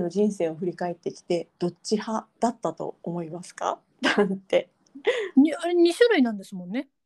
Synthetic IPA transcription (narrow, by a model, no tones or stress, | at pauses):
no̞d͡ʑĩɰ̃se̞ːoɸɯ̟ɾʲikae̞t̪ːe̞kʲi̥t̪e̞d̪̥o̞t͡ɕːihad̪̥at̪ːat̪o̞̰omo̞imasɨ̥ka̰ | nãnt̪e̞ | ɲiaɾeɲ̟iɕoɾainãnd̪e̞sɨmõ̞nːe̞